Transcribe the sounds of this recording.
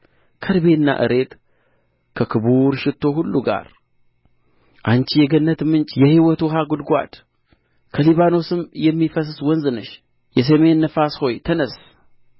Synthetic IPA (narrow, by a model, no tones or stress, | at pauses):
kʰəɾbenːa̰ʔɨ̰ɾe̞t̪ | kʰəkʰɨβuɾʃɪt̪ʰːo̞ɦulːuɡa̰ɾ | ʔant͡ʃijɛɡənːət̪mɨnt͡ʃʼjɛhiwɔt̪ɔɦaɡʊd̪ɡʷa̰t̪ | kʰəliβano̞sɨmjɛmːifəs̬swɔnzɨnɨʃ | jɛs̬əme̞nːəfasho̞jt̪ʰənəs